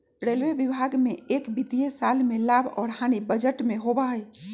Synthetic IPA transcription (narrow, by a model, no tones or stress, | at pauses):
ɾelʋebibʱaɡmẽeːkbit̪iesaːlmelaːbʱɔ̰ːɾɦañibəd͡ʒəʈmẽɦobaɦəj